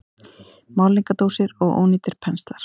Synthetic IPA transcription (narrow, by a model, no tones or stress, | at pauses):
maːwliŋkat̪owsɪɾɔɣo̰ːwniːt̪ɪɾ̥pʰɛnst̪laɾ̥